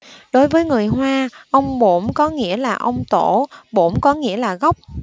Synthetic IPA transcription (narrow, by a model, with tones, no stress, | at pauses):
ɗo˨˦jvəː˨˦jŋɨ˨˩əjɦwaː˧ʔə˧wŋ͡mɓo˧˩mkɔ˨˦ŋḭ˧˥əlaː˨˩ʔə˧wŋ͡mt̪o˧˩ɓo˧˩˥mkɔ˨˦ŋḭ˧˥əlaː˨˩ɣə˦˥wk͡p̚